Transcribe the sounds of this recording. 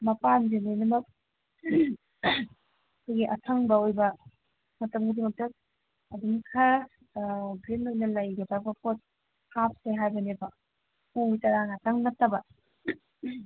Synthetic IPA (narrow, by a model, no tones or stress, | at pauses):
mɐpanzelejnɐmɐk̚ | kʰojɡiʔɐtʰɐŋbɐojbɐ | mɐtɐmɡidimɐk̚tɐ | ɐduŋkʰɐ | ɡɾinojnɐlɐjɡɐtʰabɐpʰot̚ | hap̚seɦajbɐnebɐ | uitɐɾaŋɐtʰɐŋnɐtːɐbɐ